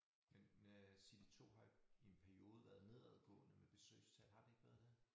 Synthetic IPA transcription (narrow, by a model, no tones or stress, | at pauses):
mensid̥it͡sʰo̝̰ːɦɑ̈ie̝npʰæɐio̝ːðˠəʋæːɐðˠne̝ð̞̰ˠæðˠɡ̥ɔ̰̽ːnəmeb̥e̝sø̰ːɪst͡sʰɛ̰lhɑ̈d̥ueɡ̥ʋæːɐðˠd̥e